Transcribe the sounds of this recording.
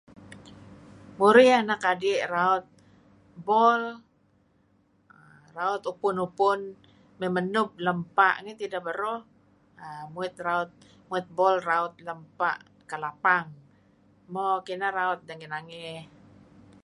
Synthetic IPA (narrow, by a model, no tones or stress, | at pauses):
muɾianakadiʔraʊt̪̚ | bɔl | raʊt̪upʊnupʊn | memənʊb̚ləmpaʔŋɛt̪idaʔbəɾo | əmuɪt̪̚raʊt̪̚ | muɪt̪̚bɔlraʊt̪̚ləmpa̰ʔ | kəlapaŋ | mokinaɾaʊt̪̚daŋinaŋɪ